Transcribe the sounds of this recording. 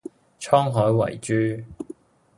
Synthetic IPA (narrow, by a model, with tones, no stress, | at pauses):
t͡ʃʰɔː˥ŋɦɔː˨˥jwɐ̰˨˩jt͡ʃyː˥